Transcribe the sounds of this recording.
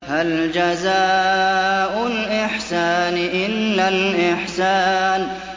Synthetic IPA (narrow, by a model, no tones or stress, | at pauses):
hald͡ʒazaː | ʔʊlɪħsaːnʔɪnːalɪħsaːn